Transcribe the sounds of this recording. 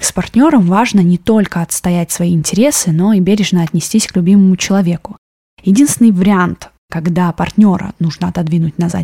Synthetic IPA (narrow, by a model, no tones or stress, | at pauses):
spɐrt̪ʲnʲo̞ɾəmvaʐnənʲɪt̪o̞lʲkəɐt̪st̪ɐjætʲsvɐiɪnʲtʲɪɾʲe̞sɨno̞ibʲeɾʲɪʐnəɐt̪ʲnʲɪsʲtʲisʲklʲʉbʲiməmʊt͡ɕɪlˠɐvʲe̞kʊ | jɪdʲinst̪vʲɪnɨjvəɾʲɪant̪ | kɐɡd̪apɐrtʲnʲo̞ɾə̰nuʐnəɐt̪ɐd̪vʲinʊtʲnɐza̰